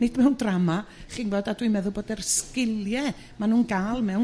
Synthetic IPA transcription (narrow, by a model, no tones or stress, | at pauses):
nɪdʰmɛwndramaχiːnboːdadwimɛðʊlˠboːdɛrskɪlˠjɛ | manuːnɡaːlˠmɛw